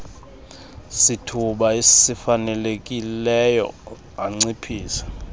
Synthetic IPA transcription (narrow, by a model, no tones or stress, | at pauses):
sitʰuɓaessifanɛlek̬ʼilɛjɔ̰ | aŋ͡ǀipʰiːsɛ̥